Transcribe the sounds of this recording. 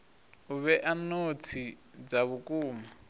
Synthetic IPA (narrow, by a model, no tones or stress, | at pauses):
uβɛʔanot͡sʰi | d͡zaβukʼuːma